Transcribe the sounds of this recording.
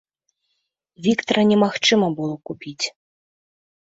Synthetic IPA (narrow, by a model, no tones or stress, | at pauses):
vʲikt̪ɐɾɐnʲɛmaxt͡ʂɨmɐbɨlˠɔkupʲit͡sʲ